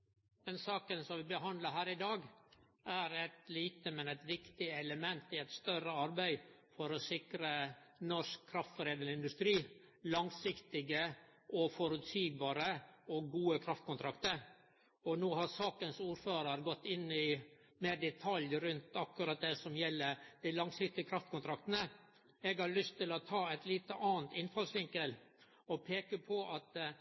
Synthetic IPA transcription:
mɛnsɑːkənsɔmʋɪbəɦɑnd̪ləɦæːɾɪd̪ɑːɡ | æɾæt̪liːt̪əmɛnæɪt̪ʋɪkt̪ɪɛləmɛnt̪ɪæt̪st̪œrəɑɾbæɪ | fɔɾɔsɪkɾənɔʂkʰːɾɑft̪fɔɾeːd̪əlɪnd̪ʉst̪ɾiː | lɑŋsɪkt̪ɪɡəʔɔfɔɾʉt̪ʰyːɡ̚bɑːɾəɔɡuːəkʰɾɑft̪kʰʊnt̪ʰɾɑkt̪əɾ | ɔnoːhɑɾsɑːkənsuːɾføːɾəɾɡɔt̪ːɪnːɪ | meːɾɖ̪ɛt̪ʰɑljɾʉnt̪ɑkːʉɾɑt̪̚d̪ɛsɔmjɛlːəɾd̪̥æɪlɑŋsɪk̚t̪ɪɡəkʰɾɑft̪kʊnt̪ʰɾɑkt̪ənə | ɛɡhɑɾɭʏst̪ːɪlɔt̪ʰɑːæɪt̪liːt̪əʔɑːənt̪ɪnfɑlsʋɪŋkəl | ɔpʰeːkəpʰɔʔɑt̪

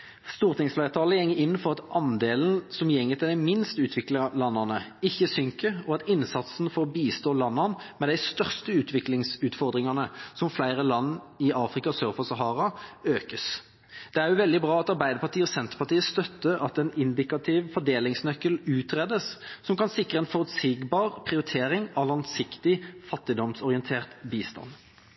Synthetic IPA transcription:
st̪uːʁt̪ɪŋsflæɪt̪ʰɑːləjɛŋːəɪnːfɔʁɑt̪ʔɑnd̪eːln̩sɔmjɛŋːət̪ʰɪld̪æɪmɪnst̪ʉːt̪ʰʋɪklɪlɑnːɑnəɪçːəsʏŋkəʁɔɑt̪ɪnsɑt̪snfoːʁbiːst̪oːlɑnːɑnmɛd̪æɪst̪œʁst̪əʉːt̪ʰʋɪklɪŋsʉːt̪fɔʁd̪ʁɪŋɑnəsɔmflæɪʁəlɑnːɪɑːfʁɪkɑsøːʁfɔsɑɦɑːʁɑøːkəs | d̪̥ɛæʁjʊʋɛld̪ɪbʁɑːɑt̪ɑʁbæɪd̪əpɑʁt̪iːəɔsɛnt̪ə̥pɑt̪iːəst̪œt̪ːəɑt̪ɛnɪnd̪ɪkɑt̪ʰɪʋfɔd̪eːlɪŋsnœkːəlʉːt̪ʁɛd̪əssɔmkɑnsɪkːəeɛnfɔʁət̪sɪɡbɑːʁpʰʁɪʊɾɪt̪ʰeːɾɪŋɑʋlɑŋsɪkt̪ɪfɑt̪ːɪd̪ɔmsɔʁɪənt̪ʰeːʁt̪biːst̪ɑ̰n

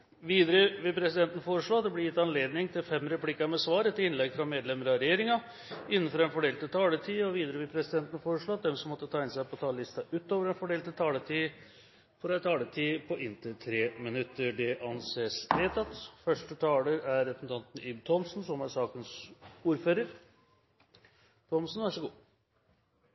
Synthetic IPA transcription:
ʋiːd̪əɾəʋɪpʰɾɛsɪd̪ɛnt̪nəfoːɾəʂɭoːɑt̪̚d̪ɛblɛjɪt̪ːɑnleːd̪nɪŋt̪ʰɪlfɛmːɾɛpʰlɪkːəmɛsʋɑːɾɛt̪ːəɪnlɛɡfɾɑmeːd̪lɛməɾɑɾɛjeːɾɪŋɑ | ɪnːənfɔɾɑɛnfɔɖeːlt̪ɪt̪ʰɑːləʈʰiːɔʋiːd̪əɾəʋɪlpʰɾɛsɪd̪ɛnt̪nəfoːɾəʂɭoːɑt̪̚d̪ɛmsɔmːɔt̪ːət̪ʰɑːɪnsæɪpʰɔt̪ʰɑːllɪst̪ɑʔʉːt̪oːʋəɾɛnfɔɖeːlt̪ɪlt̪ʰɑːlət̪ʰiː | fɔɾɛt̪ʰɑːləʈ̪ʰiːpʰɔʔɪnt̪ət̪ʰɾeːmɪnʉt̪ːəɖɛʔɑnseːsʋeːt̪ɑt̪fœʂʈət̪ʰɑːləɾæɾːɛpəsn̩t̪ʰɑnt̪ənyːbt̪ʰɔmsnsɔmæʂɑːkənsuːɾføːɾəɾ | t̪ʰɔmsnʋæʂəɡuː

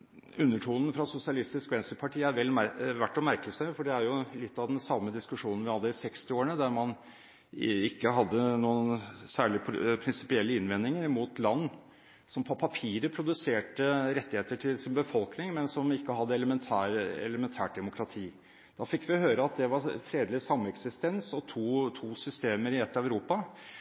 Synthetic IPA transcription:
ʉnːəʈʰuːnn̩fɾɑsʊsɪɑlɪst̪ɪskʋɛnsəpʰɑʈʰiːæɾʋɛlːʋæʈːɔmæɾkəsæɪfɔɖɛæɾjʊlɪt̪ːɑʋd̪ɛnsɑmːəd̪ɪskʉʂuːnn̩ʋɪhɑd̪ːəɪsɛkst̪ɪoːəɳəd̪æɾmɑn | ɪkːəɦɑd̪ːənuːənsæːɭɪpʰɾɪnsɪ̥pɪɛlːəɪnʋɛnːɪŋəɾmuːt̪lɑnː | sɔmpʰɔpʰɑpʰiːɾəpʰɾʊd̪ʉseːʈəɾɛt̪ːɪheːt̪əʈʰɪlsɪnbəfɔlknɪŋmɛnsɔmɪkːəhɑd̪ːəɛləmɛnt̪ʰæːɾɛ̰ləmɛnt̪ʰæ̰ːʈ̚d̪ɛmʊkʰɾɑt̪ʰiː | dd̪̥ɑfɪkːʋɪɔhøːɾəɑt̪̚d̪ɛʋɑɾfɾeːd̪lɪsɑmːɛksɪst̪ɛnsɔt̪ʰuːt̪ʰuːsʏst̪eːməɾɪɛt̪ːɑɛʉɾuːpɑ

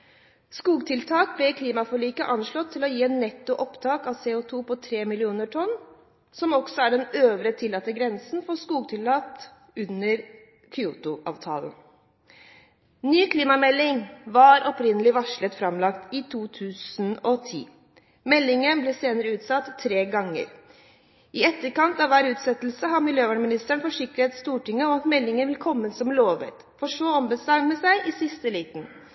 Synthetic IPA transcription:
skuːɡt̪ʰɪlt̪ʰɑːk̚blɛkʰliːmɑfɔɭiːkəʔɑnʂɭɔt̪ʰːɪlɔjiːɛnːɛt̪ːʊʔɔpt̪ʰɑːkɑʋseːʊt̪ʰuːpɔt̪ʰɾeːmɪlɪuːnəʈʰɔnː | sɔmɔɡ̥sɔæɖɛnøːʋɾət̪ʰɪlːɑːt̪ːəɡɾɛnsnfɔskuːɡ̚t̪ʰɪlːɑːt̪ | ʉnəɾ | kʰɪuːt̪ʊʔɑ̰ːʋt̪ʰɑ̰ːlən | nyːkʰliːmɑmɛlːɪŋʋɑɾɔpɾɪnəlɪʋɑʂɭət̪fɾɑmlɑkt̪ɪt̪ʰuːt̪ʰʉːsn̩ɔt̪ʰḭː | mɛlːɪŋənblɛːseːnəɾəʉːt̪sɑt̪ʰːɾeːɡɑŋːə̰ɾ | ɪɛt̪ːəɾkɑnt̪ɑʋæːɾʉːt̪sɛt̪l̩səɦɑmɪljøːʋæːɳmɪnɪst̪əɳfɔʂɪkːəɾhet̪st̪uːʈɪŋːəɔmɑt̪mɛlːɪŋəʋɪlkʰɔmːəsɔmloːʋə̰t̪ | fɔʂoːɔmbəsɑməsæɪʔɪsɪst̪əliːt̪n̩

